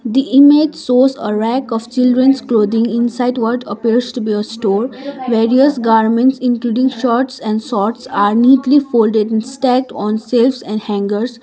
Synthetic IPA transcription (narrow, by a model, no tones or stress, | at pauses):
d̪iʔɪmed͡ʒsoːzə̰ɾækɔːʋt͡ʃɪlɖɾə̃nskloːd̪ɪ̃ŋɪ̃nsaɪɖʋɔʈəpiəɾsʈubiəsʈoːɾʋeːɾiəsɡaːɾmə̃ɳʈsɪ̃nkluːɖɪ̃ŋɡʃɔːɾʈsɛ̃ɳɖsɔːɾʈsaːɾniːʈlifoːlɖeɖɪ̃nsʈɛk̚ʈɔ̃ːnselfsɛ̃ɳɖhæ̃ŋɡəɾs